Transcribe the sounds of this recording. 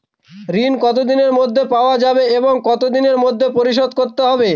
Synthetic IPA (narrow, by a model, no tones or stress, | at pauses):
ɾinkɔt̪̬od̪ineɾmod̪ʱːepaoad͡ʑabeeboŋkɔt̪od̪ineɾmod̪ʱːepoɾiʃ̬od̪̚koɾt̪eɦɔbe